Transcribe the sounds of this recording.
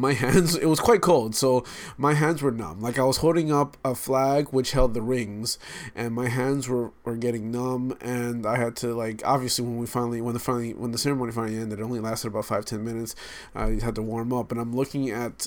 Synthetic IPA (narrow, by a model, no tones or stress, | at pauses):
maɪɦæ̃ndzɪt̚wʌz̥kʰw̥aɪt̚kʰoʊlˠd̥soʊmaɪɦæ̃ndzwə˞nʌ̰̃mlaɪkaɪwʌz̥hoʊlˠɾɪ̃ŋʌpəflæɡwɨt͡ʃhɛlˠd̪̚ðɨɹɪ̃ŋz̥ʔɨ̃nmaɪɦæ̃ndzwə˞wə˞ɡɛɾɪ̃ŋnʌ̃mɨ̃naɪɨd̚tʰɨlaɪkʰɑ̰bviɨsliwə̃nwifãɪ̃nl̩ˠiwə̃nðəfãɪ̃nl̩ˠiwʔə̃nðɨsɛɹəmõʊnifãɪ̃nlˠiɛ̃ndɨɾõʊ̃nlilæstɨɾəbaʊtfaɪv̥tʰɛ̃nmɪ̃nɨts | ʔa̰ɪhɨd̚tʰəwɔɹmʌp̚b̥ʌɾãɪ̃mlʊkɪ̃ŋɨt̚